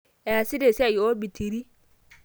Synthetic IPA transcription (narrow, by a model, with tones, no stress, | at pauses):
ɛ˨a˨si˦de˨si˦a˨jo˦bi˨tʰi˨ɾi˦